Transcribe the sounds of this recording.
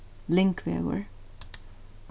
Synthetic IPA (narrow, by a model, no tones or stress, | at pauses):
lɪŋkʰʋḛwə̰ɹ